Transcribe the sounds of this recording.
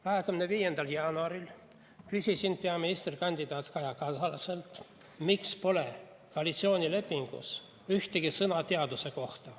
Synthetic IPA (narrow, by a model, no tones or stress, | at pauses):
kɑɦe̞kymneviːje̞nd̪̥ɑljɑːnuɑɾil | kysʲisind̥̪̚peɑminist̪rikɑnʲd̪id̪ɑːt̪kɑjɑkɑsɑlɑse̞lt̪mikspo̞le̞ | koɑlʲit̪sio̞ːnʲile̞pːiŋɡ̥ṵs | yht̪eɡ̥isɤnɑt̪eɑd̪̥use̞ko̞ht̪ɑ